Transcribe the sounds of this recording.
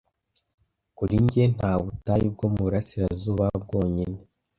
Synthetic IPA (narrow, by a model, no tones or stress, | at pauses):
kuɾiɲɟen̥haːβutajib̚ɡo̞muβuɾasiɾazuːβab̚ɡo̞ːɲine